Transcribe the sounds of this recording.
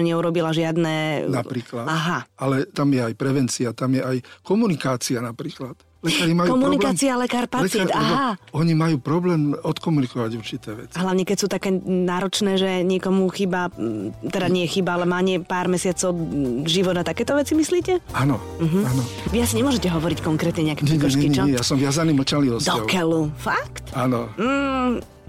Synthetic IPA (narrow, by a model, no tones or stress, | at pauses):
ɲɛuɾɔbilaʒɪad̪nɛnapɾiːklaaɦaalɛt̪amjɛajpɾɛʋɛnt͡siat̪amjɛʔajkɔmunikaːt͡sianapɾiːklat̪ | lɛkaːɾimakɔmunnikːt͡sialɛkaːɾpat͡sɪɛnaaɔɲimajuːpɾɔblɛːmɔt̪kɔmunikɔʋaɟuɾt͡ʃit̪ɛːʋɛ̰t͡sɦlaʋɲɛkɛcsuːt̪akɛːnaːɾɔt͡ʃnɛːʒɛɲɪɛkɔmuxibat̪ɛd̪aɲɪɛxibaalɛmaːɲɪɛpaːɾmɛsɪat͡sɔʊʒiʋɔd̪nat̪akɛːt̪ɔʋɛt͡simisliːcɛanɔ | m̩ɦm̩anɔʋiasiɲɛmʊɔʒɛcɛɦɔʋɔɾickɔŋkɾɛːt̪ɲɛɲɛakɛɲɾɛiɲkɔɲʃɛkiɲɛt͡ʃɔɛjasɔmʋɪazaniːmɛt͡ʃalniɔsd̪ɔkɛlufakt̪anɔm̩ː